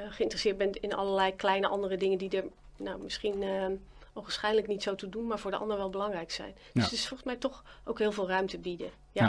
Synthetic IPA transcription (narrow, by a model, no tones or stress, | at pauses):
χəɪntrəsɪəɹt̚bɛntɪnɑ̰ləlɛjklɛjnəʔɑndərədɪŋəndidəɹ | nawmɪsχin | owxənsχɛjdələknitsowtudunmaːɹvʊːɹdəɑ̰ndəɹʋɛlˠbəlɑŋrɛjksɛ̰jnd̥øsstɪsfɔlˠxəsmɛjtɔxowkɦɪːlˠvɪːlˠrœɥmtəbidə | ja